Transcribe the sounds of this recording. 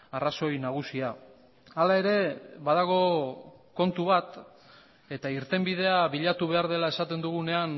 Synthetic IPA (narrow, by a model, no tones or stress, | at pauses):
araso̞jnaɣ̞usia | alae̞ɾe̞βaðaɣ̞o̞ko̞nt̪uβat̪ | e̞t̪aiɾt̪e̞mbið̞e̞aβiʎat̪uβe̞aɾð̞e̞lae̞sat̪e̞nd̪uɣ̞une̞an